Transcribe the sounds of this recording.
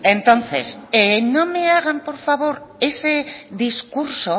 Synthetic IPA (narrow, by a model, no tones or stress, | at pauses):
ent̪o̞nθe̞seno̞me̞aɣ̞ampo̞ɾfaβo̞ɾe̞seðiskuɾso̞